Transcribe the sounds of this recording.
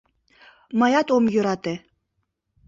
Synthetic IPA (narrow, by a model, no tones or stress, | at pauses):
mɑjɑt̪omjøɾɑt̪e